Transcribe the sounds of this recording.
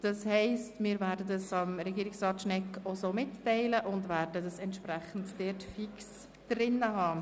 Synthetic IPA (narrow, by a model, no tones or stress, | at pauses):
d̥ɑshɛɪstmɪːɾvæːɾdədɑsɑmɾɛɡiːɾɪksrɑːtʃnɛkosoːmɪtːɛɪləʔʊndvæɾdədɑsɛntʃprɛχn̩td̥ɪtfiks | d̥rɪnəhɑː